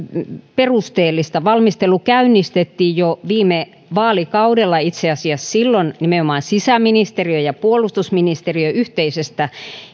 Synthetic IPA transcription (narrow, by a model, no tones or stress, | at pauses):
perust̪eːlːist̪ɑʋɑlmist̪elukæynːˑist̪et̪ːiːjjoʋiːme | ʋɑːlikɑudelːɑit̪seɑsiɑssilːonnimeomɑːnsisæminist̪eriøjɑpuolust̪usminist̪eriøyht̪eisest̪æ